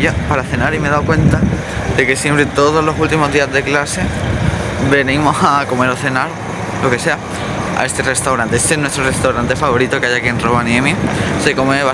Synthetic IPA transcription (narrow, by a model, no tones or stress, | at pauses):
opaɾaθe̞naɾime̞ðawkwe̞nt̪a | ðe̞ke̞sje̞mpɾet̪o̞ðo̞zlo̞sult̪imo̞zðiazðe̞klase̞ | be̞nimo̞hako̞me̞ɾo̞θe̞naɾo | lo̞ke̞se̞a | a̰e̞st̪e̞re̞st̪awɾãnt̪eest̪enwe̞st̪ɾo̞re̞st̪awɾant̪e̞faβo̞ɾit̪o̞keaʝakienro̞βanjẽmjesekomeβa